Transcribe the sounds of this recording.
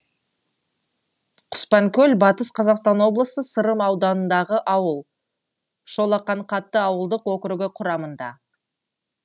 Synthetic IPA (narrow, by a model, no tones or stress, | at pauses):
qʰʊ̥spɑŋkʲʰɵlbɑt̪əsqʰɑzɑqst̪ɑnwo̞blˠəsəsəɾəmɑwd̪ɑnənd̪ɑʁəʔɑwəlˠ | ʃo̞lˠɑqːɑɴqʰɑt̪ːəɑwəlˠd̪əqwokʲɾuɡʲɪqʰʊɾɑmənd̪ɑ̰